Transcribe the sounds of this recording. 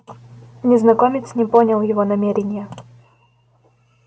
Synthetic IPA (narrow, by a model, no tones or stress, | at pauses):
nʲɪznɐkomʲɪt͡sʲsʲnʲɪponʲɪlˠjɪvonɐmʲeɾʲɪnʲɪjə